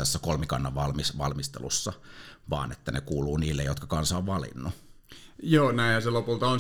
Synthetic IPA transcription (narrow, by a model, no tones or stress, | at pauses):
æsːækolmikɑ̰nːɑʋʋɑlmisʋɑ̰lmist̪ḛlṵsːɑʋɑ̰ːnḛt̪ːænekuːluːniːlːejot̪kɑkɑnsɑoʋʋɑlḭnːu | joːnæĩhɑselopult̪ɑon